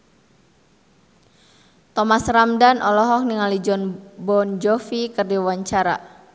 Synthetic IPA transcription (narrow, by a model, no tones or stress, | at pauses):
t̪ɔmasramdanʔɔlɔɦɔk̚niŋalid͡ʒɔnbɔnd͡ʒɔfikɨrdiwaɲt͡ʃaɾa̰